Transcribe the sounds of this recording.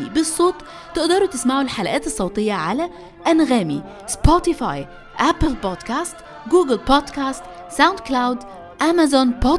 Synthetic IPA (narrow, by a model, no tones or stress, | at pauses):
ibesˤːoːt̪ˤ | t̪ːɪʔd̪ɑɾut̪esmaʕulħalæʔæːt̪esˤːɑwt̪ˤejːɑʕalæ | ʔænɣæːmḭ | spot̪ifɑ̰j | ʔæplbod̪kæːst̪ | ɡuːɡɪlpɑd̪kæːst̪ | sawnd̪klawd̪ | ʔæmæzɑnpoː